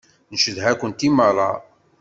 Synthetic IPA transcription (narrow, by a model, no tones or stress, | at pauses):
nʃəðɦækʷənt̪iməɾˤɑ